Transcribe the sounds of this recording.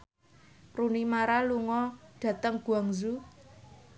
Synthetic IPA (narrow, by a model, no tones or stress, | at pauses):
runimaɾaluŋɔɖ̥ä̤t̪əŋɡ̥ṳaŋzu